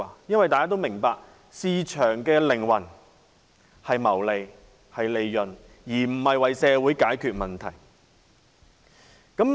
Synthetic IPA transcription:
jɐ˥nwɐ˨jt̪aː˨jkaː˥t̪o˥wmɪ˨˩ŋpaː˧k̚ | siː˧t͡ʃʰœː˨˩ŋkɛː˧lɪ˨˩ŋwɐ˨˩n | hɐ˨jmɐ˨˩wle˨˧j | hɐ˨jle˨˧jːɵ˨n | jiː˨˩m̩˨˩hɐ˨jwɐ˨jsɛː˨˧wuː˨˥jkaː˨˥jkʰyː˨˧t̚mɐ˨nt̪ʰɐ˨˩j | kɐ˨˥m

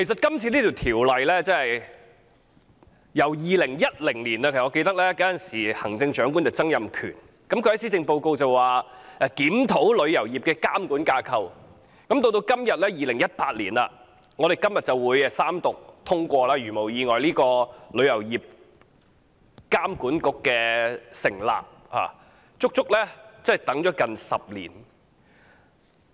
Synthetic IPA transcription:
kʰe˨˩sɐ˨t̚kɐ˥mt͡sʰiː˧liː˥t̪ʰiː˨˩wt̪ʰiː˨˩wlɐ˨jlɛː˥t͡sɛ˥hɐ˨j | jɐ˨˩wjiː˨˧lɪ˨˩ŋjɐ˥t̚lɪ˨˩ŋliː˨˩na˧kʰe˨˩sŋɔ˨˧ke˧jt̪ɐ˥k̚lɛː˥kɐ˨˥jɐ˨˩nsiː˨˩hɐ˨˩ŋt͡sɪ˧ŋt͡ʃœː˨˥ŋk̬uː˥nt̪ːt͡sɐ˥ŋjɐ˨mkʰy̰ː˨˩n | kɐ˨˥mkʰɵ˧hɐ˨˥jsiː˥t͡sɪ˧ŋpo˧wko˧wt͡sɐ˨wwaː˨˩ʔɛ˧kiː˨˥mt̪ʰo˨˥wlɵ˨˧ɥjɐ˨˩wjiː˨p̚kɛː˧kaː˥mkuː˨˥nkaː˧kʰɐ˧w | kɐ˨˥mt̪o˧wt̪o˧wkɐ˥mjɐ˨t̚lɛː˥jiː˨˧lɪ˨˩ŋjɐ˥t̚paː˧t̚liː˨˩nla̰ː˧ | ŋɔː˨˧ɾe˨jkɐ˥mjɐ˨t̚t͡sɐ˨wwuː˨˧jɛ˧saː˥mt̪ʊ˨k̚t̪ʰʊ˥ŋkʷɔː˧laː˥ɥyː˨˩mo˨˩wjiː˨˧ŋɔː˨jliː˥kɔː˧lɵ˨˧ɥjɐ˨˩wjiː˨p̚ | kaː˥mkuː˨˥nkʊ˨kːɛː˧sɪ˨˩ŋla̰ː˨p̚ | ha̰ː˨˩ | t͡sʊ˥k̚t͡sʊ˥k̚lɛ˥t͡sɐ˥ɛ˨jt̪ɐ˨˥ŋt͡ʃɔː˨˥kɐ˨nsɐ̰˨p̚lḭː˨˩n

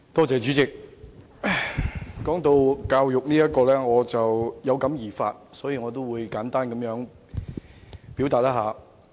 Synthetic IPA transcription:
t̪ɔː˥t͡sɛː˨˧t͡ʃyː˨˥t͡sɪ˨k̚ | kɔː˨˥ŋt̪o˧wkaː˧wjʊ˨k̚niː˥jɐ˥t̚kɔː˧lɛː˥ŋɔː˨˧t͡sɐ˨wjɐ˨˧wkɐ˨˥mjiː˨˩fa̰ː˧t̚sɔː˨˥jiː˨˧ŋɔː˨˧t̪o˥wwuː˨˧jkaː˨˥nt̪aː˥nkɐ˨˧mjœː˨˥ŋ | pi˨˥wt̪aː˨t̚laː˥aː˨˧

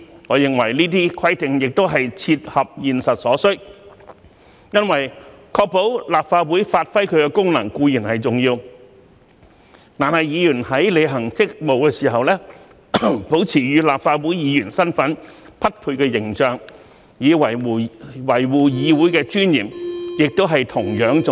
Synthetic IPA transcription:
ŋɔː˨˧jɪ˨ŋwɐ˨˩jniː˥t̪̬iː˥kʰɐ˥jt̪ɪ˨ŋjɪ˨k̚t̪o˥wɦɐ˨jt͡sʰiː˧t̚hɐ˨p̚jiː˨nsɐ˨t̚sɔː˨˥sɵ˥k | jɐ˥nwɐ˨˩j | kʰɔː˧k̚po˨˥wlaː˨p̚faː˧t̚wuː˨˥jfaː˧t̚fɐ˥jkʰɵ˨˧kɛ˧kʊ˥ŋnɐ˨˩ŋkuː˧jiː˨˩nhɐ˨jt͡sʊ˨ŋjiː˧w | t̪aː˨nɦɐ˨jiː˨˧jyː˨˩nhɐ˨˥jle˨˧jɦɐ˨˩ŋt͡sɪ˥k̚mo˨wkɛː˧siː˨˩ɦɐ˨wlɛː˥ | po˨˥wt͡sʰiː˨˩jyː˨˧laː˨pfaː˧t̚wuː˨˥jjiː˨˧jyː˨˩nsɐ˥nfɐ˨˥npʰɐ˥t̚pʰuː˧jkɛː˧jɪ˨˩ŋt͡ʃœː˨˩ŋ | jiː˨˧wɐ˨˩jwɐ˨˩jwuː˨˩jiː˨˧wu˨˥jkɛː˧t͡ʃyː˥njiː˨˩njɪ˨k̚t̪o˥wɦɐ˨jt̪ʰʊ˨˩ŋjœː˨˥ŋt͡s

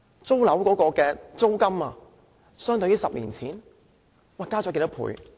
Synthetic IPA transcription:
t͡so˥wlɐ˨˥wkɔː˨˥kɔː˧kɛː˧t͡so˥wkɐ˥maː˧ | sœː˥ŋt̪ɵ˧jiː˥sɐ˨p̚lḭː˨˩nt͡sʰiː˨˥n | waː˨˩kaː˥t͡sɔː˨˥ke˧˩t̪ɐ˥pʰṵː˨˥j

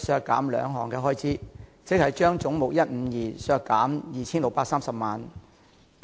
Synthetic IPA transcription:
sœː˧kːa̰ː˨˥mlœ̰ː˨˧ŋɦɔ̰ː˨˩ŋkɛː˧ɦɔː˥jt͡siː˥t͡sɪ˨˥k̚hɐ˨jt͡ʃœː˥ŋt͡sʊ˨˥ŋmʊ˨k̚jɐ˥t̚m̩˨˧jiː˨˩sœː˧kːaː˨˥mjiː˨˩t͡sʰiː˥nlʊ˨k̚paː˧k̚saː˥msɐ˨p̚maː˨n

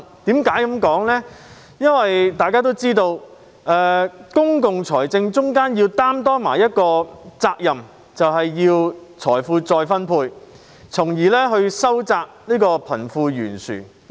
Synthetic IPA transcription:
t̪iː˨˥mkaː˨˥jkɐ˨˥mkɔː˨˥ŋlɛː˥ | jɐ˥nwɐ˨jt̪aː˨jkaː˥t̪̬o˥wt͡siː˥t̪o˧w | ʔɛː˨˧kʊ˥ŋkʊ˨ŋt͡sʰɔː˨˩jt͡sɪ˧ŋt͡sʊ˥ŋkaː˥njiː˧wt̪aː˥mt̪ɔː˥maː˨˩jɐ˥t̚kɔː˧t͡saː˧k̚jɐ˨˩m | t͡sɐ˨wɦɐ˨jːiː˧wt͡sʰɔː˨˩jfuː˧t͡sɔː˧jfɐ˥npʰuː˧j | t͡sʰʊ˨˩ŋjiː˨˩lɛː˥ɦɵ˧ɥsɐ˥wt͡saː˧k̚niː˥kɔː˧pʰɐ˨˩nfuː˧jyː˨˩nsy̰ː˨˩

